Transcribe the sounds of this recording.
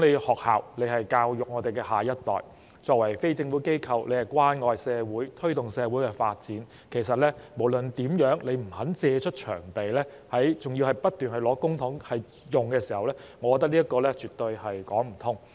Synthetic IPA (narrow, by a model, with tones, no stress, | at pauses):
ŋne˨˧hɔː˨k̚ha̰ː˨wle˨˧jhɐ˨jkaː˧wjʊ˨k̚ŋɔː˨˧t̪e˨jkɛː˧ɦaː˨jɐ˥t̚t̪ɔ̰ː˨j | t͡sɔː˨˧k̚wɐ˨˩jfe˥jt͡sɪ˧ŋfuː˨˥ke˥jkʰɐ˧wle˨˧jhɐ˨jkwaː˥nŋɔː˨˧jsɛː˨˧wuː˨˥jt̪ʰɵ˥ɥt̪ʊ˨ŋsɛː˨˧wuː˨˥jkɛː˧faː˧t̚t͡siː˨˥n | kʰe˨˩jsɐ˨t̚lɛː˥mo˨˩wlɵ˨nt̪iː˨˥mjœː˨˥ŋle˨˧jm̩˨˩hɐ˨˥nt͡sɛː˧t͡ʃʰɵ˥t̚t͡ʃʰœ̰ː˨˩ŋpe˨jlɛː˥ | hɐ˨˥jt͡sʊ˨ŋji˧whɐ˨˩jpɐ˥t̚t̪yː˨˩nhɐ˨jlɔː˨˥kʊ˥ŋt̪ʰʊ˨˥ŋhɐ˨j | jʊ˨˩ŋkɛː˧siː˨˩hɐ˨wlɛː˥ŋɔ˨˧kɔ˧t̪̬ːɐ˥k̚liː˥ɐ˥tkɔː˧lɛː˥t͡ʃyː˨t̪ːɵ˧ɥhɐ˨jkɔː˨˥ŋm̩˨˩t̪ʰʊ˥ŋ